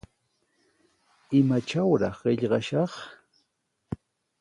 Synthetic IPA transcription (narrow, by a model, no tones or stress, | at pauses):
ɪmat͡ʃawɾɑχɢɪʎɢɑʃɑχ